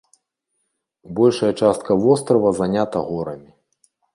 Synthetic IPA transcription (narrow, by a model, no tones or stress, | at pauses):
bɔlʲʂɐjɐt͡ʂast̪̚kɐvɔst̪ɾɐvɐzanʲat̪ɐɣɔɾɐmʲi